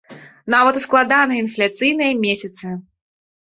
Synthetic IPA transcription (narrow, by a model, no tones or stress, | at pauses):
navɐt̪usklˠad̪anɨinflʲat̪sɨjnɨjɐmʲesʲɐt̪sɨ